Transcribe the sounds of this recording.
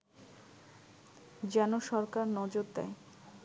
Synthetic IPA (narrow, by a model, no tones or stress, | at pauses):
d͡ʑɛnoʃɔɾkaɾnɔd͡ʑoɾd̪a̰e